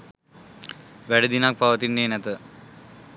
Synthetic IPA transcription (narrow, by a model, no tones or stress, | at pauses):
ʋæɽəd̪inak̚paʋɐt̪inːeːnɛt̪ə